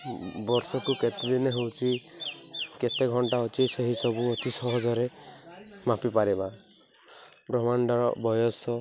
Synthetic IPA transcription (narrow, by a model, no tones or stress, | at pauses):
bɔɾsɔkuket̪ed̪ineɦewt͡ʃʰi | ket̪eɡʱɔɳʈaɔt͡ʃiseɦisɔbuɔt͡ʃisɔɦɔd͡ʒɔɾe | mapipaɾiba | bɾɔmaɳɖɔɾɔ̰bɔjɔsɔ